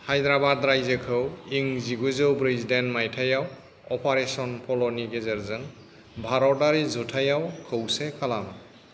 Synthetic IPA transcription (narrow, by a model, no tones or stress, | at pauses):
hajdɹabadɾajzekʰɯwiŋziɡuzɯwbɾizdɛnmajtʰajaw | ɔpʰaɹesɔnpʰɔlɔniɡezɛɹzɯn | bʱaɾɔdaɹizɔtʰajawkʰəwsɛkʰalam